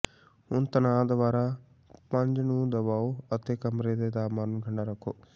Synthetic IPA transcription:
ɦʊnt̪ənaːd̪əʋaːɾaː | pəɲd͡ʒnũːd̪əβaːoːət̪eːkəmɾeːd̪eːd̪aːməɾnkʰəɳɖaːɾəkʰːoː

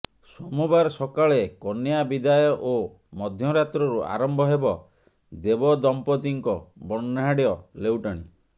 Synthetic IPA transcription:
sɔmubaɾsɔkaɭekɔnijabid̪ajɔʔo | mɔd̪ʱjɔɾat̪ɾɔɾuʔa̰ɾɔmbʱɔɦebɔ | d̪ebɔd̪ɔmpɔt̪iŋkɔbɔnːaɦaɽiɔlewʈaɽ̃ḭ

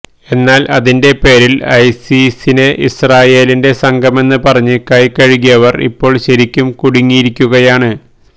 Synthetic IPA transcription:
e̞nːaːlɐðinde̞pe̞ːɾilɐjsisine̞ʔisraːje̞ːlinde̞sɐŋɡɐme̞nːɨpɐrɐɲːɨkɐjkɐɻiɣijɐʋɐrḭpːo̞ːɭɕɐɾikʲːumkuɽiŋːijiɾikʲːuɣɐjaːɳɨ

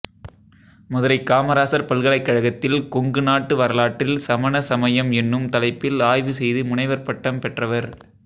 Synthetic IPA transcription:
mʊðɐɾɐɪkːaːmɐɾaːsɐɾpɐlɣɐɭɐɪkːɐɻɐɣɐt̪ːɪlkɔŋɡɯnaːʈːɯʋɐɾɐlaːʈːɪlsɐmɐnɐsɐmɐjɐmɛnːɯmt̪ɐlɐɪpːɪlaːjʋɯsɛjðɯmʊɳɐɪʋɐɾpɐʈːɐmpɛʈrɐʋɐɾ

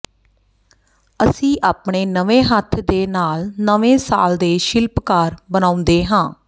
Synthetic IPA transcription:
əsĩːʔaːpɳeːnəʋẽːɦət̪ʰd̪eːnaːlnəʋẽːsa̰ːld̪eːʃɪlpkaːɾbənãːʊ̃nd̪eːɦãː

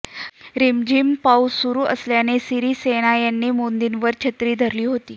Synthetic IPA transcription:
ɾimd͡ʑiːmpausuɾuːʔəsljanesiɾiːseñajanːiːmond̪inʋəɾt͡ɕʰət̪ɾiːd̪ʱəɾliːɦot̪iː

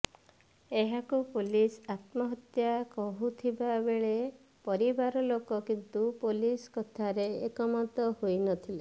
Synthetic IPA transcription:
eɦakupulisat̪mɔɦɔt̪jakɔɦut̪ʰibabeɭe | pɔɾibaɾɔlokɔkint̪upoliskɔt̪ʰaɾeekɔmat̪ɔhojnɔt̪ʰile

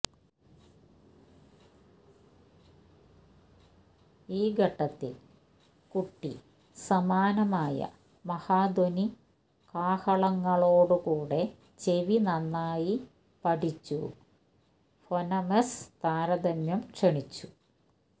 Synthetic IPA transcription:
iːɡʱɐʈːɐt̪ːil | kuʈːi | sɐmaːnɐmaːjɐ̰ | mɐhaːd̪oni | kaːhɐɭɐŋːɐɭoːɽɨkuːɽe̞ | t͡ɕe̞ʋinɐnːaːji | pɐʈit͡ɕːṵ | fonɐmɐst̪aːɾɐd̪ɐmjɐmkʂeɳit͡ɕːu̥

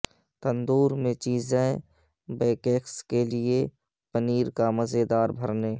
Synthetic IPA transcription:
t̪ənd̪uːɾmẽt͡ʃiːzẽ | beːkeːkskelɪe | pəniːɾkaməzed̪aːɾbʱəɾneː

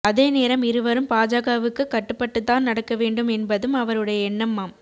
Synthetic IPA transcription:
ɐðeːneːɾɐmɪɾɯʋɐɾɯmpaːd͡ʒaːɣɐʋɯkːɯkːɐʈːɯpːɐʈːɯt̪ːaːnnɐɽɐkːɐʋeːɳɖɯmɛnbɐðɯmɐʋɐɾɯɽɐjɐɛnːɐmːaːm

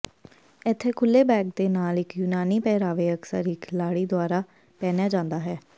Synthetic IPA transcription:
ɪt̪ʰːeːkʰʊlːeːbɛːɡ̚d̪eːnaːlɪkjuːnaːniːpɛːɾaːʋeːəksə̰ɾiːkʰɪlaːɽiːd̪ʊaːɾaː | pɛːnjaːd͡ʒãːnd̪aːɦɛː

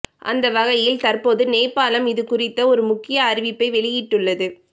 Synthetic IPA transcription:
ʔɐ̰nd̪ɐʋɐɣɐjɪlt̪ɐrpoːðɯneːpːaːlɐmɪðɯkʊrɪt̪ːɐɔɾɯmʊkːɪjɐːɾɪʋɪpːɐɪʋɛɭɪjɪʈːɯɭːɐðɯ

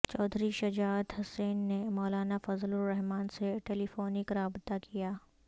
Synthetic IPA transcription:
t͡ʃɔːd̪ʱɾiʃɐd͡ʒaːd̪ɦʊseːnːemɔːlaːnafɐzlʊɾɛɦmaːnseʈeːlifoːnɪkɾaːbt̪akʰijaː

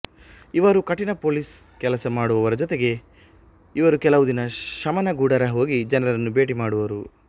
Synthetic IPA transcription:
iʋɐɾukɐʈinɐpo̞ːliːskɛlɐsɐmaːɽuʋɐʋɐɾɐd͡ʒɔt̪eɡe̞ | iʋɐɾukɛlɐʋud̪inɐʃɐmɐnɐɡuːɽɐɾɐɦo̞ːɡid͡ʒɐnɐɾɐɾɐnːube̞ːʈimaːɽuʋɐɾu

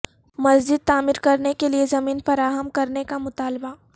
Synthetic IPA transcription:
mɐzd͡ʒɪd̪̚t̪aːmɪɾkɐɾnekeliezɐmiːnfɐɾaːɦəmkɐɾnekamʊt̪aːlba

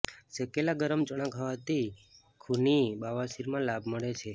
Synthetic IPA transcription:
səkelaɡəɾəmt͡ʃəɽ̃ãkaʋat̪i | kʰunibaʋaʃiɾmãlabməɭet͡ʃʰe

